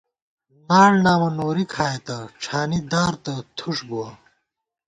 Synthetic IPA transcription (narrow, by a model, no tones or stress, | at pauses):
naːɽnaːmɐnoːɾikʰaːet̪ɐʈ͡ʂʰaːnid̪aːɾt̪ɐt̪ʰuʂbua